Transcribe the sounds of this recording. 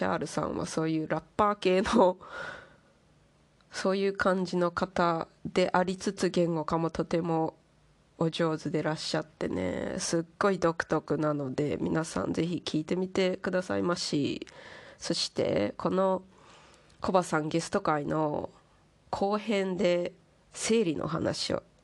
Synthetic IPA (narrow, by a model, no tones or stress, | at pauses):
ɕa̰ːɾɯ̟sã̰ɰ̃βa̰so̞ːjɯ̟ːɾapːaːke̞ːno | so̞ːjɯ̟ːkʰãɲ̟d͡ʑino̞kat̪a | d̪e̞ʔaɾʲit͡sɨt͡sɨɡẽ̞ŋɡo̞kamo̞t̪o̞t̪e̞mo̞ː | ʑo̞ːzɨd̪e̞ɾaɕːat̪ːe̞̰ne̞̰sɨɡ̥ːo̞id̪o̞kɯ̟̥t̪o̞kɯ̟nano̞d̪e̞̰mʲḭnasã̰nd͡ze̞çikʲʰiːt̪e̞mʲit̪e̞kɯ̟d̪asa̰imaɕḭ | so̞ɕi̥t̪e̞̰kʰo̞no̞ | ko̞basãŋɡe̞sɨ̥t̪o̞kaino̞̰ | kʰo̞ːhẽ̞nd̪e̞ | se̞ːɾʲinʔo̰ɦa̰na̰ɕio̰